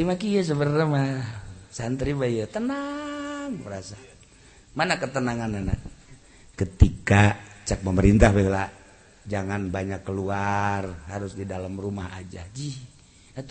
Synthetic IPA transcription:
imakijəs̬əbərnəmasant̪ɾibajət̪ənaŋbəɾasa | manakət̪ənaŋanana | kət̪ikat͡ʃak̚məməɾint̪ahbɛhla | d͡ʒaŋanbaɲakːəluarhaɾʊsdidalamrumaha̰d͡ʒa̰d͡ʒi | at̪

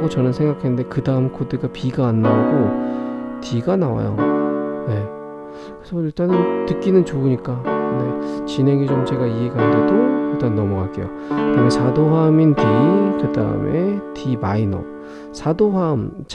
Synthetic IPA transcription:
ɡot͡ɕʌnɯnsʰeŋɡakʰenːɯnde̞kɯdaɯmkʰodɯɡapiɡaːnːauɡo | tiɡanawa̰jo̰ne̞ | kkɯesʰʌiɭt͈anɯntɯk͈inɯnt͡ɕouɲik͈ane̞t͡ɕinɦe̞ŋit͡ɕomt͡ɕe̞ɡaie̞ɡanɯndedoiɭt͈annːʌmʌkak͈e̞̰jo | kɯdamesʰadoɦamintikɯda̰ɯ̰mʔe̞timainʌ̰ | sʰadoɦamt͡ɕ

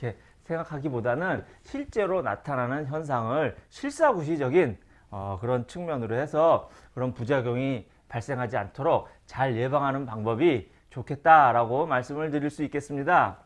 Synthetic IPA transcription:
e̞ | sʰe̞ŋɡakʰaɡibodanɯnɕʰiɭt͡ɕ͈e̞ɾona̰tʰananɯnçjʌns̬ʰaŋɯɭɕʰiɭs͈aɡuɕ̬ʰid͡ʑʌɡin | ʌkɯɾʌnt͡ɕʰɯŋmjʌnɯɾohe̞sʰʌ | kɯɾʌnpud͡ʑaɡjʌŋi | paɭs͈e̞ŋɦad͡ʑiantʰoɾok̚ | t͡ɕaɭje̞baŋɦanɯnpaŋbʌbi | t͡ɕokʰe̞t̚t͈aɾaɡomaɭs͈ɯmɯɭtɯɾiɭs͈uik͈e̞s͈ɯmɲida

